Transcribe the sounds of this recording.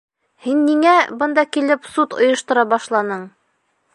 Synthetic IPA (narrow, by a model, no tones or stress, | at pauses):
hinːiŋæbɤnd̪ɑkilɘpsut̪ŏ̰jɤ̆ʃt̪ŏɾɑbɑʃlˠɑnɤɴ